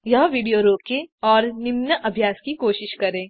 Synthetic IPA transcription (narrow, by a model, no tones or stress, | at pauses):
jɐɦʋiːɖijoɾoːkẽɔːɾnɪmnəʔɐbʱjaːskikoːʃɪʃkɐɾẽː